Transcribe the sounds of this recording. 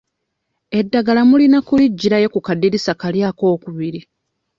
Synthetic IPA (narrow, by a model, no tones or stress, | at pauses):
e̞dːaɡalamulinakuliɟːiɾaje̞kukadːiɾisakaljaːko̞ːkuβiɾi